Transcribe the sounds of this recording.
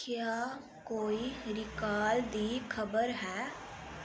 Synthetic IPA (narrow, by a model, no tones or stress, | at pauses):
kɪja | koːiɾɪkaːld̪iːkʰəbəɾɦɛː